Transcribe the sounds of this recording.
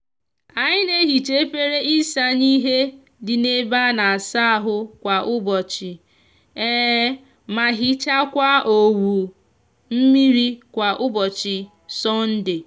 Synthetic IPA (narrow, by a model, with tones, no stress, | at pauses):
a˨ɲɪ˦ne˦ɦi˨t͡ʃe˦pe˦ɾe˦ʔi˦sa˦ɲi˦ɦe˦ | dɪ˨ne˦ba˦na˨a˨sa˦˨ɦʊ˦kʷa˨ʔʊ˦bɔ˨t͡ʃɪ˨ | ɛ˦ | ma˨ɦɪ˦t͡ʃa˦kʷa˦o˨wu˨ | m̩˦mi˦ɾi˦kʷa˨ʔʊ˦bɔ˨t͡ʃɪ˨ | sɔ˦n̩˦dɪ˨